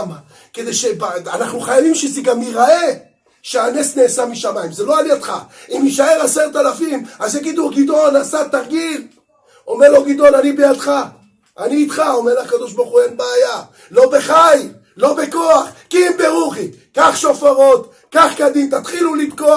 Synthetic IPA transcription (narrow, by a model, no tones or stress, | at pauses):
ma | ke̞d̪ejʃebaanaχnuχajavimʃezeɡamiʁae | ʃeanesneːsamiʃamaimzelo̞aniad̪χaimiʃae̞ʁaseʁt̪alafimazeɡid̪uɡid̪o̞lnasat̪aʁɡil | o̞meʁlo̞ɡid̪o̞lanibejad̪χa | ʔaniːt̪χao̞meʁlaχkad̪o̞ʃbaʁχuenbaːja | lo̞be̞χaj | lo̞be̞ko̞aχkimbeʁuχi | kaχʃo̞faʁo̞t̪ | kaχkad̪imt̪at̪χilulid̪ko